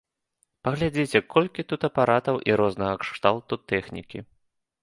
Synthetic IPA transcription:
pɐɣlʲad͡zʲet͡sʲɛkʰɔlʲkʲit̪ut̪ɐpaɾat̪ɐwʔiɾɔznɐɣɐkʂt̪alˠt̪ut̪ɛxnʲḭkʲi

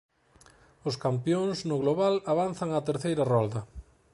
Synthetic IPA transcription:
ʊskampjõŋznʊɣloβalaβanθaŋat̪eɾθejɾɐrɔld̪ɐ

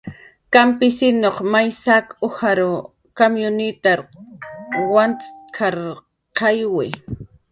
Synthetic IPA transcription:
kampɪsɪnoχmajsakʊhaɾo | komjʊnɪt̪aɾ | want̪kʰaɾ | qɑjwɪ

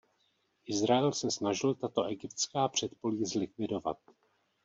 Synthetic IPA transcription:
ʔɪzɾaɛlsɛsnaʒɪlt̪at̪o̞ʔɛɡɪpt̪t͡skaːpr̝̥ɛt̪po̞liːzlɪkvɪdo̞va̰t̪̚

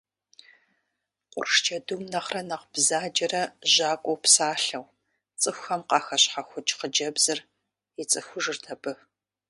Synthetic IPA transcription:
qʷʼʊ̰rʂt͡ʃʰɐdumnɐχrɐnɐqb̥zaːd͡ʒʼɐrɐʒaːkʷʼɔwpsaːɬɐw | t͡sʼɨxʷxɐmqɑːxɐɕħaxʷʊt͡ʃʼqəd͡ʒɐbz̥ɨr | jɪt͡sʼɨxʷʊʒɨrtʰɐbɨ

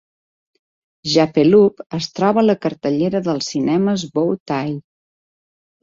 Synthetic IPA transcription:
ʒapelupəst̪ɾɔβələkəɾt̪əʎeɾəðəlˠsinɛməzbowt̪aj

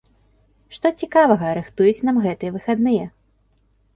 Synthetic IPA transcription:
ʂt̪ɔt͡sʲikavɐɣɐːɾɨxt̪ujut͡sʲnamɣɛt̪ɨjɛvɨxad̪nɨjɛ

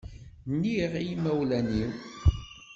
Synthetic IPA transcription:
nːiʁijimæwlæniw

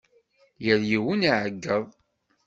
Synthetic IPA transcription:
jəɾjiwəniʕəɡːəðˤ

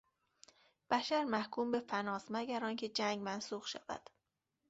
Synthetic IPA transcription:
b̥æʃæɾmæhkʰuːmbe̞fænɒːsmæɡæɾɒːncʰe̞d͡ʒæŋɡmænsuːxʃæ̰væ̰d̪̥

